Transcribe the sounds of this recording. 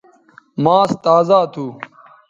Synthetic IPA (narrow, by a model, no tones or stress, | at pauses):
mãːst̪aːzaːt̪ʰuː